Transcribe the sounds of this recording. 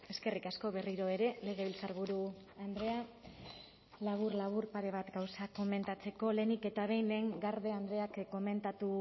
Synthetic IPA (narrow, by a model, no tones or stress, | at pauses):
e̞ske̞rikasko̞βe̞riɾo̞eɾe̞le̞ɣ̞e̞βilt͡saɾβuɾu | and̪ɾe̞a | laβ̞uɾlaβ̞uɾpaɾe̞β̞at̪ɡawsako̞me̞nt̪at͡se̞ko̞le̞nike̞t̪aβ̞e̞jnle̞ːŋɡaɾðe̞and̪ɾe̞akkːo̞me̞nt̪at̪u